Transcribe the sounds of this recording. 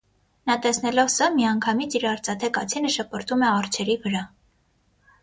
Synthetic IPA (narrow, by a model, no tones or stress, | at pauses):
nɑt̪ɛsn̪ɛlɔvsɑmiɑŋkʰɑmit͡sʰiɾɑɾt͡sɑt̪ʰɛkɑt͡sʰinəʃəpəɾt̪ʰumɛɑrt͡ʃʰɛɾivəɾɑ